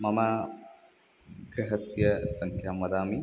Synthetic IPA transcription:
mɐma | ɡɾeɦɐsjɐsɐŋkʰjaːmʋɐd̪aːmi

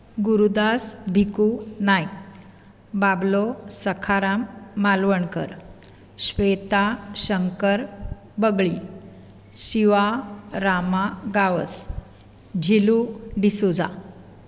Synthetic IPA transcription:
ɡuɾud̪asbʱikunajk̚ | bablosəkʰaɾamːalʋəɳkə̰ɾ | ɕʋet̪aɕəŋkəɾ | bəɡɭi | ɕiʋaɾamaɡaʋəs | d͡ʑʱiluɖisud͡za̰

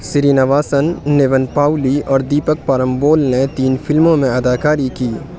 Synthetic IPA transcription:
sɪɾiːnɐʋaːsənːeːʋənpaːʊliɔːɾd̪iːpək̚paːɾəmboːlnet̪iːnfɪlmõmẽɐd̪aːkaːɾikiː

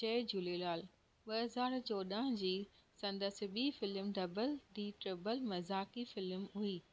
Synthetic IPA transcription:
t͡ɕɐːd͡ʑuːlelaːl | ɓɐɦɐzaːɾt͡ɕɔːd̪əɦə̃d͡ʑiːsɐ̃nd̪əsɪ̆ɓiːfɪlmɖɐbəlɖiːʈɾɪbəlmɐzaːkifɪlmɦuiː

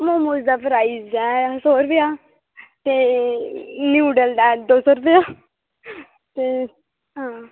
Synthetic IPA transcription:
moːmoːzd̪aːpɾaːizd̪ɛːsoːɾʊpeaː | t̪eː | njuːɖəld̪ɛːd̪oːsɔːɾʊpeaː | t̪eː | ɦãː

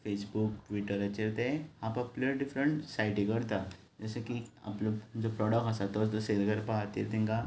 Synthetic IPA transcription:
fesbuk̚ʈʋiʈəɾat͡ɕiɾt̪eapapləɖifɾəɳʈsajʈikəɾt̪a | d͡zəsakia̰pləd͡zɔpɾɔɽək̚ʈasat̪ɔst̪ɔselɡəɾpaɦat̪ḭɾt̪ĩŋka

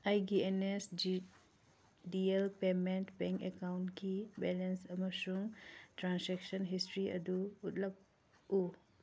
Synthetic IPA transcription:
ajɡienes | dielpementbɛŋkekawnkibɛlensɐmɐsuŋtɾanseksɔnɦistɾiʔɐ̰duutlɐp̚ | u

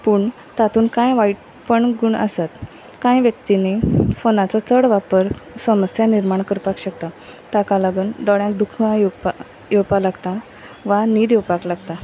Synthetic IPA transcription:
puːɳ | t̪at̪ʰuːnkãjʋaiʈ | pəɳɡuɳə̰sat̪ | kãjʋjək̚t̪inefonat͡sat͡səɽʋapəɾsəməsjaniɾmaɳkəɾpakɕək̚t̪at̪akalaɡuːnɖɔɽjãkd̪ukʰãjupa | jowpalaɡt̪a | ʋanid̪jewpaklaɡt̪a

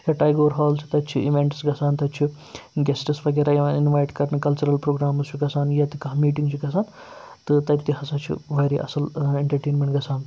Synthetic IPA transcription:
jɐʈɐːjɡoːɾɦaːlsʰi̥t̪ɐt͡ʃʰiiʋeɳʈsɡɐsʰaːnt̪ɐt͡ʃʰi | ɡʲesʈɨsʋɐɡeɾɐinʋaːjʈkɐɾnɐkɐlt͡ʃuɾɐlpɾoːɡɾaːmɐst͡ʃʰuɡɐsaːnjɐt̪ikɐɦmiːʈiŋɡt͡ʃʰiɡɐsaːn | t̪ɨt̪ɐt̪iɦɐsɐt͡ʃʰḭʋɐɾḭʔɐ̰sɐleɳʈɐɾʈeːnmʲeɳʈɡɐsʰaːn

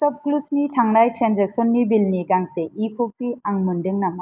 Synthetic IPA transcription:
sɔp̚klusnitʰaŋnajtɾanzek̚sɔnːibilniɡaŋseʔipʰopiaŋmundɯŋnama

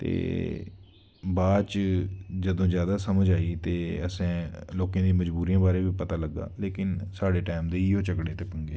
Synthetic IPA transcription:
t̪ḛː | baːt͡ʃd͡ʒəd̪õːd͡ʒjaːd̪aːsəməd͡ʒaːiːt̪eːəsẽːloːkãːd̪ĩːməd͡ʒbuːɾijãːbaːɾeːʋiːpət̪aːləɡːa̰ːleːkɪnsaːɽeːʈaːmd̪eːɪoːt͡ʃəkɽeːt̪eːpə̃ŋɡeː

